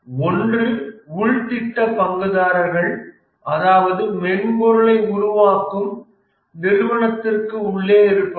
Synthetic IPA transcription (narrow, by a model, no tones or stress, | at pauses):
ɔndrɯʊɻt̪ɪʈːɐpɐŋɡɯðaːɾɐɾɣɐɭ | ʔɐðaːʋɐðɯmɛnbɔɾɯɭɐɪʊɾʊʋaːkɯm | nɪɾʋɐɳɐt̪ːɪrkɯʊɭːeːɪɾɯpːɐ